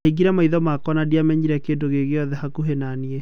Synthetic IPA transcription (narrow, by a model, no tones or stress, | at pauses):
eɡiɾɛmaiðɔmakɔnadiamɛɲiɾɛkeːndoɣeɣeɔðɛhakuɦenanie